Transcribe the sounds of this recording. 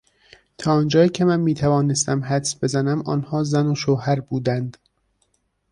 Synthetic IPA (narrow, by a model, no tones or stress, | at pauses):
t̪ʰɒːɒːnd͡ʒɒːiːcʰe̞mænmiːt̪ʰævɒːnest̪æmɦæd̪sbe̞zænæmɒːnhɒːzænoʃoːhæɾbuːd̪ænd̪̥